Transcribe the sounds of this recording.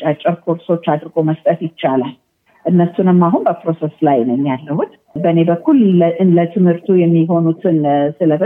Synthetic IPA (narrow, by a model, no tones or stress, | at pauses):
t͡ʃʼat͡ʃʼːəɾkʰo̞ɾso̞t͡ʃːad̪ɾɨɡo̞məst̪ʼət̪jɪt͡ʃːalal | ʔɨnːəsunɨmːaɦunbəpɾo̞seslajnəmjalːəhut̪ | bəne̞bəkːulɨnlət̪ʰɨmhɨɾt̪ʰujɛmːiɦo̞nut̪ʰɨnsɨləbɨ